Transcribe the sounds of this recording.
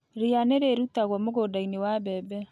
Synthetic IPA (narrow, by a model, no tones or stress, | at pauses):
ɾianeɾeɾutaɣwɔmoɣodainewaβɛbɛ